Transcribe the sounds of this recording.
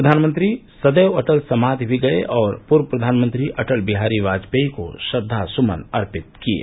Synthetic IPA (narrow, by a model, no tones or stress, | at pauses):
ɾɐd̪ʱaːnmə̃nt̪ɾi | sɐd̪eːwɐʈəlsɐmaːd̪bʱiɡɐḛʔɔːɾpʊɾwəpɾɐd̪ʱaːnmə̃nt̪ɾiʔɐʈəlbɪɦaːɾiʋaːd͡ʒpeiko̰ʃɐd̪ʱːasʊmə̰nɐɾpɪt̪̚kiḛː